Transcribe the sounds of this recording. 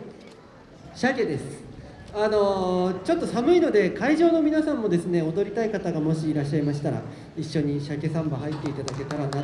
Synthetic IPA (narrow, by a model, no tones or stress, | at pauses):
ɕake̞d̪e̞sɨ̥ano̞t͡ɕo̞t̪ːo̞samɯ̟ino̞d̪e̞kaiʑo̞ːno̞mʲinasãmːo̞d̪e̞sɨne̞o̞d̪o̞ɾʲit̪aikat̪aɡamo̞ɕiːɾaɕ̬ːaimaɕ̬i̥t̪aɾa̰ | iɕːo̞ɲ̟iɕake̞sãmbaɦait̪ːe̞it̪ad̪ake̞t̪aɾana